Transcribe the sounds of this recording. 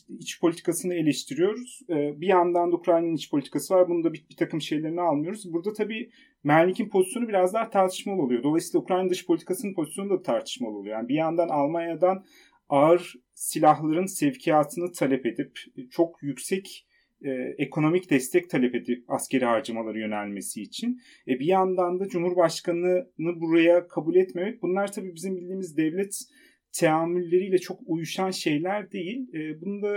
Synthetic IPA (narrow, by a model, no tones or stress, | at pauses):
it͡ʃpʰolʲit̪ʰi̥kʰasɯnɯe̞lʲɛʃt̪ʰiɾijo̞ɾuz̥ɛːbijand̪and̪ukɾalʲinit͡ʃpʰo̞lʲit̪ʰikʰasɯvaɾbunund̪abibit̪ʰakɯmʃe̞jlʲe̞ɾinialˠmɯjo̞ɾuzbuɾd̪at̪ʰabiː | mæɾlʲicʰinpʰozi̥sjo̞nubiɾazd̪ˠaɾt̪ʰaɾt̪ʰɯ̥ʃmalˠɯolˠujod̪o̞lˠajsiːlaukɾalʲind̪ɯʃpʰo̞lʲt̪ʰi̥kʰasɯnɯnpʰo̞zisjonud̪at̪ʰaɾt̪ʰɯ̥ʃmalˠɯolˠujojaːnibijand̪analˠmanjad̪an | aɯɾ | silʲaɦlˠaɾɯnsɛvcʰijaːt̪ʰɯnɯt̪ʰalʲɛpe̞d̪ipt͡ʃʰo̞kjycsɛc | ɛːekʰo̞no̞micd̪ɛst̪ʰɛc̚t̪ʰalʲɛpe̞d̪ip̚a̰sce̞ɾihaɾd͡ʒamalˠaɾɯjø̞nælʲme̞siːt͡ʃʰin | ɛbijand̪and̪ad͡ʒumhuɾbaʃkanɯnɯbuɾajakʰabulʲɛt̪me̞mɛc̚bunlˠaɾt̪ʰabiːbizimbilʲd̪iːmizd̪ɛvlʲɛt̪ʰː | eaːmylʲːe̞ɾijːlʲɛt͡ʃʰo̞kujuʃanʃe̞jlʲæɾd̪e̞jilʲːbunund̪a